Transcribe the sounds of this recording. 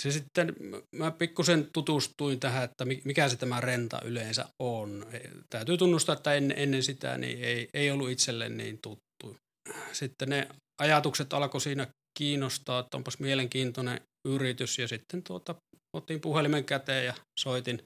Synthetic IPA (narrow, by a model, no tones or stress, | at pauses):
sesit̪ːenmæpikːusent̪ut̪ust̪uint̪æhæet̪ːæmimikæset̪æmærent̪ɑ̰ʔyleːnsæ̰ʔʔonet̪æˑyt̪yːt̪unːust̪ɑet̪ːæenːḛʔenːensit̪æ̰nḭːeˑieˑiolːuit̪selːḛnnḭːnt̪ut̪ːu | sit̪ːene | ɑjɑt̪ukset̪ɑlɑkosiːnæ | kiːnːost̪ɑːet̪ːæo̰mpɑsmieleŋkiːnt̪onḛ | yrit̪ysjɑsit̪ːent̪uot̪ɑ | ot̪impuhelimeŋkæt̪ejjɑsoˑit̪in